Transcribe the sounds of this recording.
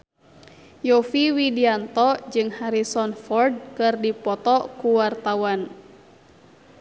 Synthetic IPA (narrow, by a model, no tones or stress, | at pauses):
jɔfiwidiant̪ɔd͡ʒɨŋhaɾisɔnfɔrd̚kɨrdipɔt̪ɔkuwart̪awan